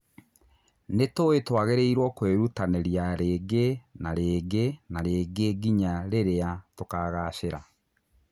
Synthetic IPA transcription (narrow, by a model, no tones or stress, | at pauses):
netoetwaɣeɾeiɾwɔkweɾutanɛɾjaɾeːɡenaɾeːɡenaɾeːɡeɡiɲaɾeɾeatokaɣaʃeɾa